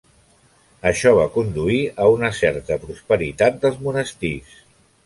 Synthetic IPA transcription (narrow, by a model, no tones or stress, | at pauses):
əʃɔβ̞akund̪uiəunəsɛɾt̪əpɾuspəɾit̪at̪̚d̪əlˠzmunəst̪is